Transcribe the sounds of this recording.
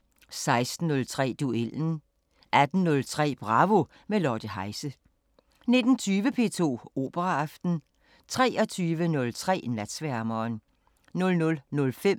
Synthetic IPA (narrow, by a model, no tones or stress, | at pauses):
sɑ̈ɪsd̥n̩ːɔ̽lt͡sʰʁɛ̰ːd̥uel̰n̩ | ʔæd̥n̩nɔ̽lt͡sʰʁɛ̰ːb̥ʁɑ̈ːʋo̝ | melɒːd̥əɦɑ̈ɪsə | ne̝d̥n̩t͡sʰyːʋəpʰe̝̰ːt͡sʰo̝̰ːo̝̰ːb̥əʁɑɑ̈fd̥n̩ | t͡sʰʁɛ̰ːɒ̽t͡sʰyːʋənɔ̽lt͡sʰʁɛ̰ːnæd̥sʋæɐmɒːn | nɔ̽lnɔ̽lnɔ̽lfem̰